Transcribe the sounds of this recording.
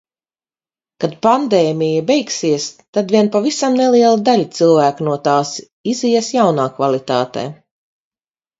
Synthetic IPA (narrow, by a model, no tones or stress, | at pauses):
kad̪̚pand̪ɛːmʲijabɛjksiɛst̪ad̪viɛnpavisamnelˠiɛlˠud̪alʲit̪silˠvæːknuɔt̪aːs | izijɛsjawnaːkvalˠit̪aːt̪ḛː